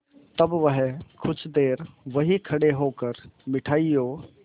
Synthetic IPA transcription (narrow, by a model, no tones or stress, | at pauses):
t̪ɐbʋəɦkʰʊt͡ʃʰd̪eːɾʋɐɦikʰɐɽeɦoːkəɾmɪʈʰaːijoː